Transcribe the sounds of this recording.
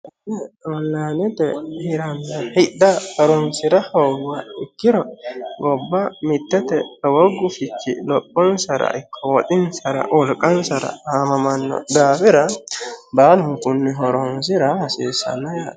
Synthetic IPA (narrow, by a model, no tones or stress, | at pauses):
ɛɔlːaːnɛt̪ɛhɪɾɐnːɐhɪd̪ːɐhɔɾɔnsɪɾɐhɔːɡwɐɪkːɪɾɔɡɔbːɐmɪt̪ːɛt̪ɛwɔɡːʊfɪt͡ʃːɪ̰lɔpʼːɔnsɐɾɐ̰ʔɪkʰːɔwɔt̪ʼɪnsɐɾɐ̰wɔlkʼːɐnsɐɾɐ̰aːmɐmɐnːɔ̰d̪aːbɪɾɐbaːlʊŋkʊnːɛɦɔɾɔnsɪɾɐhɐseːsɐ̰nːɐjaː